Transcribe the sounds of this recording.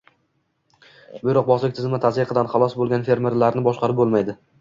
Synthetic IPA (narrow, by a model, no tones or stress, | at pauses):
bɪjɾɒq̚bɒslɪk̚ʲt̪ʰɪzɪmɪt̪ʰazɪqʰɨd̪anχɑlˠɒsbolˠɡʲanfe̞ɾme̞ɾlaɾnɪbɒʃqɑɾɪp̚bolˠmajd̪ɪ